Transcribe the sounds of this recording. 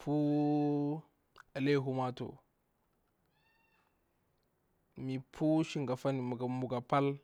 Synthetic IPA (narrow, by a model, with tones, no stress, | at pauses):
pʰu˦ | a˨le˦ɦu˦ma˦to̰˨ | mi˨pʰu˦ʃi˦ŋɡa˨fa˦ni˨ɡa˨mu˨ɡa˨pa˦l